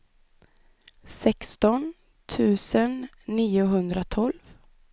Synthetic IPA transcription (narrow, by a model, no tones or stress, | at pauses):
sɛkst̪ɔn | t̪ʰʉ̟ːsənː | iːʊɦɵnd̪ɾat̪ʰɔlv